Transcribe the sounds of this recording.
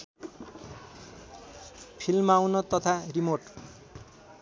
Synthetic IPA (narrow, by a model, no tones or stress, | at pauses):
pʰilmawnʌt̪ʌt̪ʰarimorʈ